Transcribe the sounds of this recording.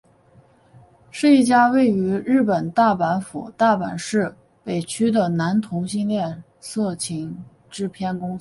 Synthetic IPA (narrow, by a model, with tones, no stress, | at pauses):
ʂɻ̩˥˧i˥˩t͡ɕja˥we˥˩ɪy˧˥ɻɻ̩˥˩pə˨˩nt̪a˥˩pa˧˥nfṵ˨˩t̪a˥˩pa̰˨˩nʂɻ̩˥˩ | pe˨˩ɪt͡ɕʰy˥d̪ə˨na˧˥nt̪ʰʊ˧˥ŋɕi˥ŋljɛ˥˧n | sɤ˥˩t͡ɕʰi˧˥ŋ | ʈ͡ʂɻ̩˥pʰjɛ˥˧nkʊ˥ŋ˥